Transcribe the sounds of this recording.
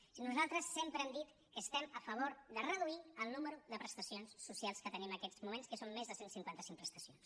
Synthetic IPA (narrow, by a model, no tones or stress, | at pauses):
inuzalˠt̪ɾəsːempɾəɛmd̪it̪ | kəst̪ɛməfəβ̞oɾðərəðuiəlˠnuməɾuðəpɾəst̪əsionsːusjalˠskət̪əniməkɛd͡zmumẽnskəsomːezðəsensiŋkwant̪əsiŋkpɾəst̪əsions